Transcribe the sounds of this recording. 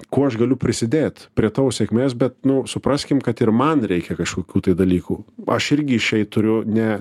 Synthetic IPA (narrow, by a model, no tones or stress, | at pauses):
kuːɐʃɡɐlʲʊpʲɾʲɪsʲɪd̪ʲeːt̪pʲɾʲiɛt̪ɐːʋsʲɛkmʲeːsbʲɛt̪nʊsʊpɾɐsʲkʲɪmkɐt̪ɪrmɐnɾʲɛɪkʲɛkɐʃkoːkʲuːt̪ɐɪd̪ɐlʲiːkuːɐʃɪɾʲɡʲɪɪʃʲɛɪt̪ʊɾʲʊnʲɛ